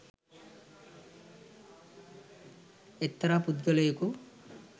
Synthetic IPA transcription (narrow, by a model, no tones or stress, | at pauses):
et̪ːɐɾapud̪ɡɐlejuku